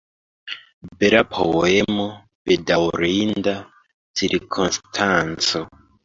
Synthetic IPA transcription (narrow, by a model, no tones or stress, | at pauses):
beɾapʰo̰emo | bedawuɾiːnda | t͡siɾikʰonstʰant͡so